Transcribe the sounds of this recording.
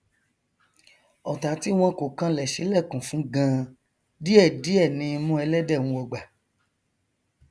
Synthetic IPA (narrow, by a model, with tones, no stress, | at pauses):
ɔ˨ta˨ti˨˦w̃ɔ̃˧ko˨kã˧lɛ˨ʃi˨˦lɛ˦˨kũ˨fũ˨˦ɡã˧˦ | di˦ɛ˦˨di˨˦ɛ˦˨nĩ˧mũ˦ɛ˧lɛ˦dɛ˦˨wũ˧ɔ˧˨ɡ͡ba˨